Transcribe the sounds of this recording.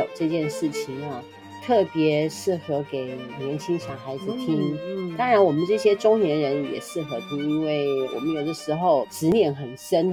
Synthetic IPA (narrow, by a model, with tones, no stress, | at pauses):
o˨˩ʊʈ͡ʂɤ˥˧t͡ɕjɛ˥˧nʂɻ̩˥˩t͡ɕʰi˨˩ŋɐ˧ | t̪ʰɤ˥˩pjɛ˧˥ʂɻ̩˥˩xɤ˧˥ke˨˩ɪ˨˩jə˧˥nɕi˥nɕjɑ˨˩ʊxa˧˥ɪd͡zɹ̩˨˩t̪ʰi˥nt̪ɑ˥ŋɻa˧˥nwɔ˨˩mə˦nʈ͡ʂɤ˥˩ɕjɛ˥ʈ͡ʂʊ˥ŋnjɛ˧˥nɻə˧˦˥njɛ̰˨˩ʂɻ̩˥˩xɤ˧˥t̪ʰu˥i˥nwe˥˩ɪwɔ̰˨˩mə˦njo˨˩ʊd̪ə˧˦ʂɻ̩˧˥xo˨˧ʊʈ͡ʂɻ̩˧˥njɛ˧˥nxə˨˩nʂə˥n